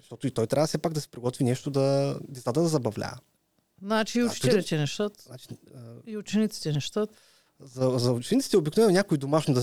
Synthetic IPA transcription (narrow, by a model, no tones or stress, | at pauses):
ɐʃt̪ɔt̪ʊit̪ɔjt̪ɾʲavəsɛpaɡd̪ɐsɛ̥pɾiɡɔt̪vinɛʃt̪ʊd̪ɐd̪ɛzat̪əd̪ɐzɐbɐvlʲa̰ɛ̰ | nat͡ʃiːʊt͡ʃi̥t̪ʲɛlɛt̪ʲɛnɛʃt̪at̪nat͡ʃi̥iʊt͡ʃɛnit̪si̥t̪ɛnɛʃt̪at̪ | zɐzɐʊt͡ʃɛnit̪si̥t̪ɛobiknovɛnonʲakʊid̪omaʃnod̪ɐ